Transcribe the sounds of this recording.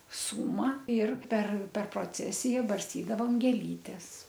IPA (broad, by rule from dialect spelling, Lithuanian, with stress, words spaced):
ˈsuːmɐ ɪr pʲɛr pʲɛr proːˈt͡sʲæːsʲɪjɛ bɐrʲsʲˈtʲiːdɐʋoːm ɡʲeːˈlʲiːtʲɛs